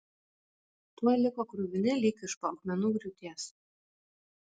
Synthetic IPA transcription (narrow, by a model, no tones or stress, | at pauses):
t̪uɔjlʲɪkoːkɾʊʋʲɪnʲɪlʲikʲɪʃpɔʊkmʲɛnuːɡɾʲʊt̪ʲiːɛs